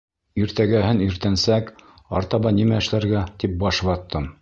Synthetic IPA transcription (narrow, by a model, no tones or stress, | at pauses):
iɾt̪æɡæɦɘniɾt̪ænsæk | ɑ̰ɾt̪ɑβɑnimæɘ̆ʃlæɾɡæt̪ip̚bɑʃ̆βɑt̪ːɤm